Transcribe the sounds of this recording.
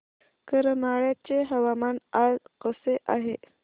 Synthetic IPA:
kəɾəmaɭjat͡ɕeɦəʋamanazqəseʔaɦe

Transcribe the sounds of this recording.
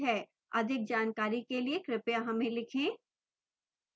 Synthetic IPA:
ɦɛː | ɐd̪ʱɪk̚d͡ʒaːnkaːɾikeliekɾɪpjaɦɐmẽlɪkʰẽ

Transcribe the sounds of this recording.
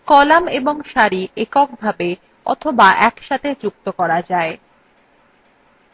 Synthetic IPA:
kɔlameboŋʃaɾiʔekɔk̚bʱabe | ɔ̰t̪ʰobaʔɛkʃat̪ʰed͡ʑuk̚t̪okɔɾad͡ʑae

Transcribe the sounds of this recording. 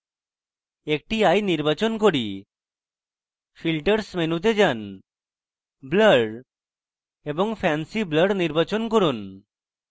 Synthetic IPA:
ek̚ʈiajniɾbat͡ɕonkoɾi | filʈəɾsmenut̪̬ed͡ʑan | bləɖ | eboŋfʰɛnsibləɖniɾbat͡ɕonkoɾun

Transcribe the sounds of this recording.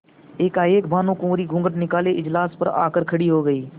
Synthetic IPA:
eːkaːeːkbʱaːnõːkõːɾiːɡʱʊ̃ːŋɡəʈnɪkaːleːʔɪd͡ʒlaːspə̰ɾa̰ːkəɾkʰəɽiːɦoːɡəiː

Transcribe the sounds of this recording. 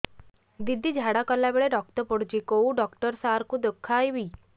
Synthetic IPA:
d̪id̪ʱːid͡ʒʱaɽakɔlːabeɭeɖɔk̚t̪əpɔɽd͡ʒikouɖɔkʈəɾsaɾkud̪əkʰːajʋi

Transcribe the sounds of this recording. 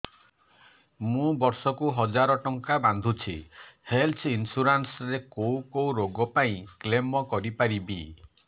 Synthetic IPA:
mũbɔɾsɔkuɦɔd͡ʒaɾɔʈɔŋkaband̪ʱut͡ʃʰihelt͡ʃʰinsuɾansɾekowkowɾoɡɔpaĩklemɔkɔɾipaɾibi

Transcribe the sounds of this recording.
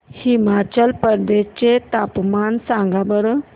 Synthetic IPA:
himat͡ɕəlpəɾd̪est͡ɕet̪apmansãŋɡabəɾ

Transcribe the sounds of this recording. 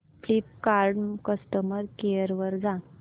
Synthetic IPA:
flip̚kaɾɖkəsʈəməɾkejəɾʋəɾd͡za

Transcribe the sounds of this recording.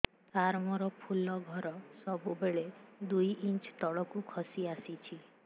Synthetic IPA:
d̪ʱaɾmɔɾɔpʰulɔɡʱɔɾɔsɔbubeɭed̪ujʔint͡ʃt̪ɔɭɔkukʰɔsiasit͡ʃʰi

